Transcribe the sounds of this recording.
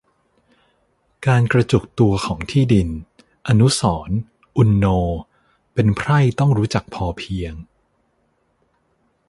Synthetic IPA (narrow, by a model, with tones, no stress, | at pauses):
kaː˧nkɾa˧t͡ɕu˨˩k̚t̪u˧ɐkʰɔː˩˦ŋt̪ʰiː˥˩di˧n | ʔa˧nu˦˥sɔː˩˦n | ʔu˧nːoː˧ | pe˧npʰɾa˥˩jt̪ɔ˥˩ŋɾuː˦˥t͡ɕa˨˩k̚pʰɔː˧pʰi˧əŋ